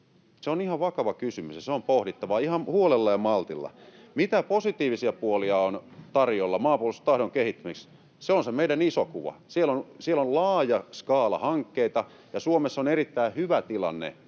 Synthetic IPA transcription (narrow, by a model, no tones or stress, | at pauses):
seonihɑʋʋɑkɑʋɑkysymysjɑseompohdit̪ːɑʋɑihɑmhuolelːɑjɑmɑlt̪ilːɑ̰ | mit̪æposit̪iːʋisiɑpuoliɑont̪ɑrjolːɑmɑːpuolst̪t̪ɑhɾoŋkehit̪ːymiks | seonsemeidænisokuʋɑ̰sielonsielollɑːjɑskɑːlɑ̰hɑŋkːeit̪ɑ | jɑsuomesːonerit̪ːæihyʋæt̪ilɑ̰nːḛ